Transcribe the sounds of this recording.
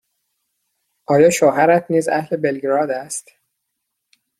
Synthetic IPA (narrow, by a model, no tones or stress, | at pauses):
ʔɒːjɒːʃoːɦæɾæt̪ʰniːzæ̰hle̞belɡɾɒːd̪æst̪